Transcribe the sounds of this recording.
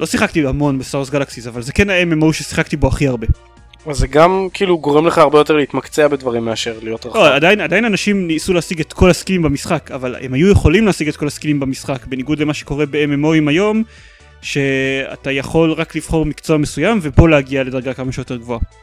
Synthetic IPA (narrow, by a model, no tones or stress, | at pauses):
lo̞siχak̚t̪iamo̞nbesas̬ɡalaksizavalzekenaememouʃesi̥χakt̪ibo̞aχiaʁbe̞ | vazeɡamkʰiːluɡo̞ʁemleχaːʁbe̞jo̞t̬e̞ʁleit̪makt͡seabedvaʁimːeaʃe̞ʁlijo̞t̪ʁaoadainad̪ajinanaʃimnisulehasiɡet̪kʰo̞laskilimbamisχakavalḛmhajujeχo̞limleasiɡe̞t̪ko̞laskilimbamisχakbe̞niɡud̪lemaʃe̥ko̞ʁe̞beememoimajo̞m | ʃe̞a̰tajaχo̞lʁakliv̥χo̞ʁmikt͡soamesujamve̞bo̞leaɡiale̞d̪aʁɡakamaʃejo̞t̪e̞ʁɡvo̞a